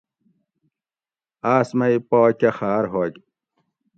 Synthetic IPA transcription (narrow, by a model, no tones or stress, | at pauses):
aːsmɐipoːkɐxaːɾɦoːɡ